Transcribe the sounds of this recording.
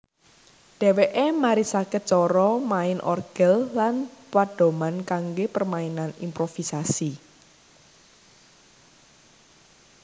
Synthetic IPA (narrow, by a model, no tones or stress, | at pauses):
ɖ̥ɛ̤weʔemaɾisakət̪̚t͡ʃɔɾɔmaɪnʔɔ̰rɡ̥əllanpaɖ̥o̤mankaŋɡepərmainanḭmpɾofisasi